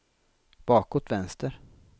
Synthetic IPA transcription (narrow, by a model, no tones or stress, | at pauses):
b̥ɑːkot̪vɛnst̪əɾ